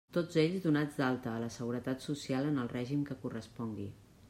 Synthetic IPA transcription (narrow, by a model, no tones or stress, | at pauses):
t̪od͡zeʎzðunad͡zd̪alˠt̪əːləsəɣuɾət̪at̪susialənəlˠrɛʒimkəkurəspɔŋɡḭ